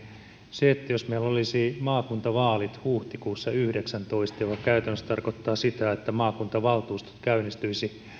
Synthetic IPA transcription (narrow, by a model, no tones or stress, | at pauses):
seet̪ːæjosmeilːolisimɑːkunt̪ɑʋɑːlit̪huːht̪ikuːsːɑyhdeksænt̪o̞ist̪ɑjokɑkæyt̪ænːøst̪ɑrkot̪ːɑːsit̪æet̪ːæmɑːkunt̪ɑʋɑlt̪uːst̪o̥t̪kæynːist̪yisi